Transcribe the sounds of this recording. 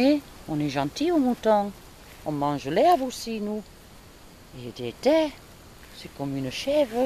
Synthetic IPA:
e | ɔ̃nɛʒɑ̃t̪iomut̪ɔ̃ | ɔ̃mɑ̃ʒəlɛvosinu | ed̪ɛt̪ɛ | sɛkɔmynəʃɛvʁə

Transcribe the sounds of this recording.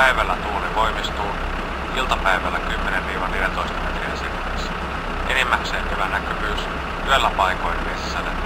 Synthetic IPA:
æjʋælːæt̪uːneʋo̞jmist̪uː | ilt̪ɑpæjʋælːækymːenenʋiːʋɑnːeljænt̪ojst̪ɑmet̪rḭæ̰nsikunisæ̥ | ʔenimːækseːŋkyʋænːækøpys | yelːæpɑjko̞jnʋesisːenḛ

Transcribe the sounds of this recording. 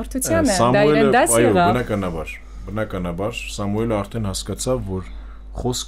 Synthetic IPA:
ɔɾt̪ʰut͡sʰjɑnsɑmuɛləɑjɔbənɑkɑnɑbɑɾ | bənɑkɑnɑbɑɾsɑmuɛləɑɾt̪ʰɛnhɑskɑt͡sʰɑvːɔɾ | χɔsk

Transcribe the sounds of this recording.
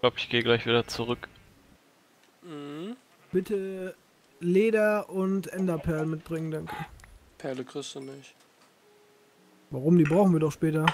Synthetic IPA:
laʊpɪçɡ̥eːəɡlaɪçv̥iːdɐt͡suʁʏk | m̩h̩ | b̥ɪtʰə | leːdɐʔʊntʔɛndɐpʰɛɐləmɪt̚b̥ʁɪŋəndaŋkʰəpʰɛɐləkʁ̥ɪstd̥unɪç | vaʁʊmdiːbʁaʊxnviːɐdɔχʃpɛːtɐ

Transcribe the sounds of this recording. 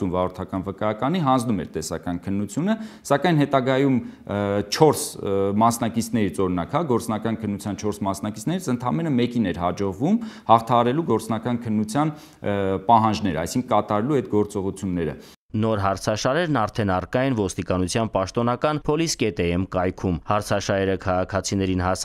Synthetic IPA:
umvɑɾɔɾt̪ʰɑkɑnvəkɑjɑkɑniɦɑnd͡znumɛ̰ɾt̪ɛsɑ̰kɑnkʰənːut͡sʰjunəsɑkɑjnɦɛt̪ɑɡɑjum | t͡ʃʰɔɾsmɑsnɑkit͡sʰnɛɾit͡sɔɾɔnɑkhɑɡɔɾt͡snɑkɑnkʰənːut͡sʰjɑnt͡ʃʰɔɾsmɑsnɑkit͡sʰnɛɾit͡sʰənt̪ʰɑmɛnəmɛkinɛɾɦɑd͡ʒɔʁvumhɑχt̪ʰɑɦɑɾɛluɡɔɾt͡snɑkɑnkʰənːut͡sʰjɑn | pɑɦɑnd͡ʒnɛɾəɑ̰jsiŋkʰəkɑt̪ɑɾɛluɛd̪ɡɔɾt͡sɔʁut͡sʰjunːɛɾə̰ | nɔɾɦɑɾt͡sʰɑʃɑɾɛɾnɑɾt̪ʰɛnɑrkɑjɛnvɔst̪ikɑnut͡sʰjɑnpɑʃt̪ɔnɑkɑnpʰɔliskɛt̪ɛɛmkɑjkʰumhɑɾt͡sʰɑʃɑɾɛɾəkʰɑʁɑkʰɑt͡sʰinɛɾinhɑs

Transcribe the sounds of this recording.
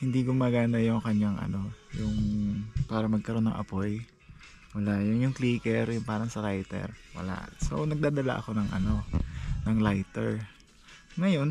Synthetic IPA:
hɪnd̪iɡʊmaːɡaːnd̪ɐjʊŋkɐɲaŋʔɐ̰no̞jʊŋpaːɾɐmɐɡ̚kɐɾo̞nːɐ̰ŋʔɐ̰po̞j | wɐlajʊŋjʊŋkliːkɛɾjʊŋpaːɾɐŋsɐɾajt̪ɛ̰ɾwɐ̰la̰ʔso̰nɐɡ̚d̪aːd̪ɐla̰ʔɐko̞nɐŋʔɐ̰no̞nɐŋlajt̪ɛɹ | ŋɐjo̞n

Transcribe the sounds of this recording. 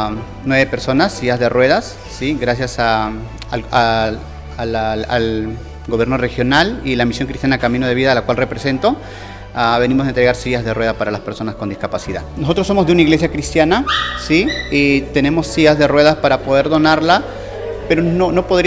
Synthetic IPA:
nwe̞βepe̞ɾso̞nasːiazðe̞rwe̞ðasːiɡɾas̬jasa | a | laa̰l | ɡo̞βje̞ɾnore̞xjo̞nalilamisjo̞ŋkɾist̪janakamĩno̞ð̞e̞βiðalakwalre̞pɾese̞nt̪o̞ | aβe̞nĩmozðent̪ɾe̞ɣaɾsiazðe̞rwe̞ðapaɾalaspeɾso̞naskond̪iskapasiða̰ðnoso̞t̪ɾosːo̞mozðeunaiɣle̞sjakɾist̪janasiit̪e̞ne̞mo̞sːiazðe̞rwe̞ðaspaɾapo̞ð̞e̞ɾðo̞naɾla | peɾonono̞po̞ðɾi

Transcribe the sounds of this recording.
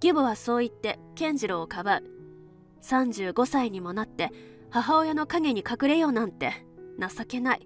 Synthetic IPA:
ɡ̥ʲibɯβaso̞ːit̪ːe̞kẽ̞ɲ̟d͡ʑiɾoːkabaɯ̟ | sãɲ̟d͡ʑɨːɡo̞saiɲ̟imo̞nat̪ːe̞ | haɦao̞jano̞kaɡe̞ɲ̟ikakɯ̟ɾe̞jo̞ːnãnt̪ːe̞ | nasake̞nai

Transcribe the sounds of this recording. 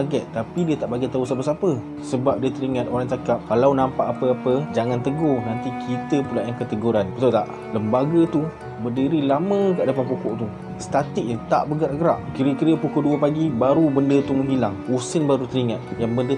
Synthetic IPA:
ɡɛʔt̪ːapidiət̪aʔbaɡɛt̪ːausapəsapə | səbap̚diət̪əɾiŋãt̪oɾaŋt͡ʃakap̚kalawnãmpaʔapəapəd͡ʒaŋant̪əɡɔhnant̪ikʰit̪əpulaʔjaŋkət̪əɡuɾanpət̪ot̪aʔ | ləmbaɡət̪u | bədiɾilamə̃kaʔdapanpukɔʔt̪u | sə̥t̪at̪ɪk̚nət̪a̰ʔbəɡat̪ɡəɾa̰ʔkiɾəkiɾəpukoduəpaɡibaɾubəndət̪umə̃ɦilaŋusənbaɾut̪əɾiŋat̪̚jaŋbəndə

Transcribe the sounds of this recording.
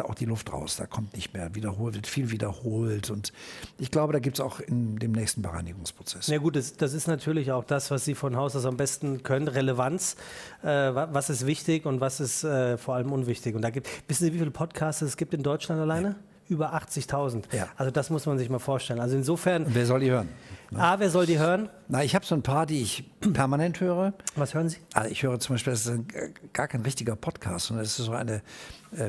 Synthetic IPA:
aʔa̰ʊxd̥iːlʊftʁa̰ʊsd̥a̰ːkʰɔmtnɪçtmeːɐviːdɐhoːltvɪɐtfiːlviːdɐhoːltʊntʔɪçɡ̥laʊbədaːɡip̚tsaʊxɪndeːmnɛːçstn̩bəʁa̰ɪnɪɡʊŋspʁ̥ot͡sɛsnjaːɡuːt̚d̥asd̥as̬ɪstnatʰyːɐlɪçaʊxd̥asv̥asz̥iːfɔnɦaʊsasambɛstn̩kʰœnənʁeləvant͡sʔɛːvavasɪstv̥ɪçtɪçʊntvasɪstɛːfoːɐʔaləmʊnvɪçtɪçʊntd̥aːɡitv̥ɪsn̩ziːvifiːləpʰɔtkʰaːstəɛsɡ̥iːp̚tɪndɔʏt͡ʃlantalaɪnə | ʔyːbɐʔaχt͡sɪçtʰaʊzn̩tja̰ʔalzodasmʊsmanzɪçmaːlfoːɐʃtɛlənalzoɪnzoːfɛɐnʊnveːɐzɔldiːhøːʁənnəaːveːɐzɔldiːɦøːʁən | naɪçhaːbəz̥oːnpʰaːɐdiːɪçpʰɛɐmanɛnthøːʁəvashøːʁənziːʔalzɪçhøːʁ̞ət͡sʊmbaɪʃpiːldasɪsɡ̥aːɐkʰaɪnʁɪçtɪɡɐpʰɔtkʰa̰ːstzɔndɐnɛsɪ̥stz̥oːʔa̰ɪnəʔɛː

